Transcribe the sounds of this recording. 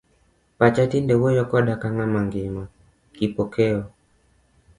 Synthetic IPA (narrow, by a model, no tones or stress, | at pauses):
pat͡ʃatindɛwojɔkɔdakaŋamaŋɡɪma | kipokʰɛɔ